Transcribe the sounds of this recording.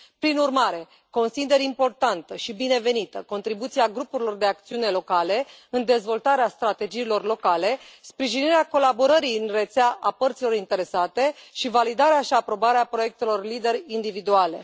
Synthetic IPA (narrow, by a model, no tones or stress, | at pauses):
pɾinurmaɾe̞ | ko̞nsid̪e̞ɾimpo̞rt̪ant̪əʃibine̞ve̞nit̪əko̞nt̪ɾibut̪siaɡɾupuɾilo̞rd̪e̞ak̚t̪siune̞lo̞kale̞ɨnd̪e̞zvo̞lt̪aɾeast̪ɾat̪e̞d͡ʒiːlo̞rlo̞kale̞spɾiʒiniɾeako̞labo̞ɾəɾiɨnre̞t̪seaʔapərt̪silo̞ɾint̪e̞ɾe̞sat̪e̞ʃivalid̪aɾeaʃiapɾo̞baɾeapɾoje̞k̚t̪e̞lo̞rlid̪e̞ɾʲind̪ivid̪uale̞̰